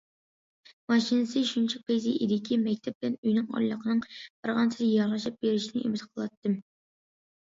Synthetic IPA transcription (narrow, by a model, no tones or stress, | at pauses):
mɑʃinɨsɨʃunt͡ʃʰɛqʰejziʔid̪ɪkʲʰimɛkʲt̪ʰɛp̚blɛnyjnɨŋɑ̰jlˠəqʰənɨŋbɑɾʁɑnsʰɪzjɑɾʁɑʃɑp̚beɾɪʃinɪʔemɪt̪qʰəlˠɑt̪ʰːɨm